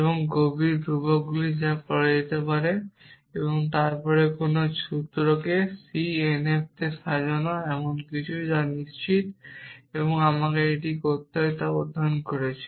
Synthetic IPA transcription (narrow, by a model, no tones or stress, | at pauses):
ebɔŋɡobiɾdubɔɡulid͡ʑapɔɾed͡ʑet̪epaɾe | ebɔŋt̪aɾpɔɾekonot͡ʃut̪ɾɔkesienep̚t̪esad͡ʒɔnaɛmonkit͡ɕʰujd͡ʒanist͡ɕit̪ebɔŋamakeeʈikot̪ːɔjt̪aod̪ʱːɔnkɔɾet͡ɕʰe̥